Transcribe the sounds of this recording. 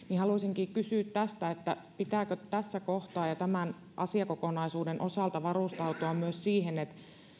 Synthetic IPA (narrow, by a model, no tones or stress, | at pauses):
nihɑlusiŋkiːkysyˑːt̪tæst̪æet̪ːæpit̪æːˑkøt̪æsːækoht̪ɑːjɑt̪æmæn | ʔɑ̰siɑkokonɑisuːdenʔo̞sɑˑlt̪ɑʋɑrust̪ɑut̪uɑmmyøssiːhenet̪